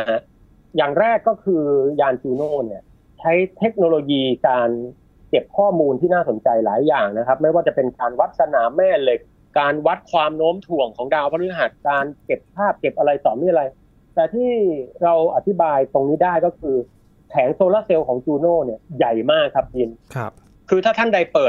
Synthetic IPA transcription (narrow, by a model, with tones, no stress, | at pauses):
a˦˥ʔ | jaː˨˩ŋɾɛː˥˩kːɔː˥˩kʰɯː˧jaː˧nt͡ɕuː˧noː˥˩ni˥˩ɐ | t͡ɕʰa˦˥jt̪ʰe˦˥k̚noː˧loː˧jiː˧kaː˧n | t͡ɕe˨˩p̚kʰɔː˥˩muː˧nt̪ʰiː˥˩naː˥˩so˩˦nt͡ɕa˧jlaː˩˦jːaː˨˩ŋna˦˥kʰa˦˥p̚ma˥˩jwaː˥˩t͡ɕa˨˩pe˧nkaː˧nwa˦˥t̪̚sa˧naː˩˦mːɛː˥˩le˧˩k̚ | kaː˧nwa˦˥t̪̚kʰwaː˧mnoː˦˥mt̪ʰu˨˩əŋkʰɔː˩˦ŋdaː˧wpʰɔ˦˥ɯː˧˥ɦaː˨˩kkːaː˧nke˨˩p̚pʰaː˥˩p̚ke˨˩p̚ʔa˧ɾa˧jsɔː˨˦miː˧˥˨ɾa˧j | t̪ɛː˨˩t̪ʰiː˥˩ɾa˧wʔa˨˩t̪ʰi˦˥baː˧jt̪o˧ŋniː˦˥daː˥˩jkɔː˥˩kʰɯː˧ | kʰɛː˩˦ŋsoː˧laː˥˩se˧wkʰɔː˩˦ŋt͡ɕuː˧noː˥˩ni˥˩ɐja˨˩jmaː˥˩kʰːa˦˥p̚t͡ɕiː˧nʰ | kʰɯː˧t̪ʰaː˥˩t̪ʰa˥˩nda˧jpɤː˨˩t̪̚